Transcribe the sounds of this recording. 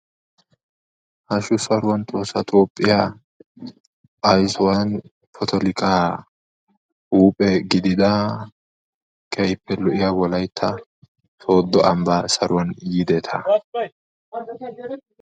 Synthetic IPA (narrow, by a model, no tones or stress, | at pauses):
hɐʃʊsɐɾʊwɐnt̪ʼoːsːɐt̪ʰʼoːpʼːɪja | ɐjsɔwɐn | pʰɔt̪ʰɔlɪkʼa | uːpʼɛɡɪd̪ɪd̪ɐ | kʰʼɛjpʰːɛlɔʔɪjawɔlɐjt̪ʰːɐ | so̞ːd̪ːɔʔɐmbasɐɾʊwɐnjɪd̪ɛt̪ʰɐ